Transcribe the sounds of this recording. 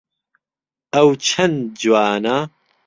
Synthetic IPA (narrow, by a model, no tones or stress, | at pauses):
ɐwt͡ʃʰɐnd͡ʒwaːnɐ